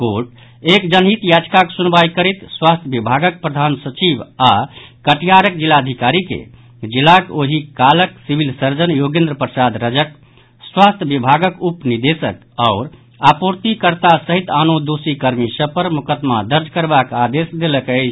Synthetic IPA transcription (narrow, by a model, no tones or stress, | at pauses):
koʈ | ekd͡ʒənɦit̪jad͡ʒkaksunbajkəɾɛt̪swast̪ʰəbibʱaɡək̚pɾəd̪ʱansət͡ʃibakəʈʰijaɾək̚d͡ʒilːaəd̪ʱikaɾikḛ | d͡ʒilːakoɦikaləksibʱilsəɾd͡ʒənjoɡẽnd̪ɾəpɾəsad̪ɾəd͡ʒək | swast̪ʰjəbibʱaɡəkupnid̪esə̰k | aʊɾ | apuɾt̪ikəɾt̪asəɦit̪anod̪osikəɾmisəpəɾmukəd̪mad̪əɾd͡ʒkəɾbakad̪esd̪eləkəɪt͡ʃʰ